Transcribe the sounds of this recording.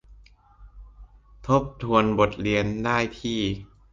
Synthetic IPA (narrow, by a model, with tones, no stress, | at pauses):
t̪ʰo˦˥p̚t̪ʰu˧ənbo˨˩t̪̚ɾi˧əndaː˥˩jt̪ʰiː˥˩